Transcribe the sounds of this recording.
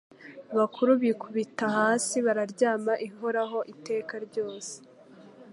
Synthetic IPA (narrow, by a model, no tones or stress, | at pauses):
aβakuɾuβikʰuβitahaːsiβaɾaɾɟaːmaʔiɦoɾaɦo̞ʔite̞ːkaɾɟo̞ːse̥